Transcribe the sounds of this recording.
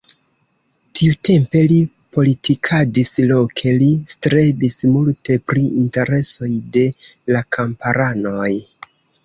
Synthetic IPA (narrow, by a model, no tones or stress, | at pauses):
tiute̞mpe̞li | po̞litʰikʰadislo̞kʰe̞listɾe̞bismulte̞pɾiinte̞ɾe̞so̞jde̞lakʰampaɾano̞j